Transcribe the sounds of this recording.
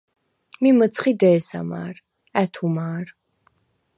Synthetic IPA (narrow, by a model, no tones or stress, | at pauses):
mimət̪sʰχid̪ɛːsa̰ma̰ːɾ | ɛt̪ʰumaːɾ